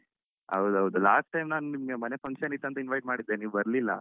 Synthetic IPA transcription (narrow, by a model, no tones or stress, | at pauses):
ɐ̰wd̪ɐʋd̪ulaːsʈʈːɐjmnaːnunimɡemɐnepʰɐŋkʃɐnit̪ːɐnt̪ɐinʋɐjʈ̚maːɽid̪ːeniːʋubɐɾlilːɐ̰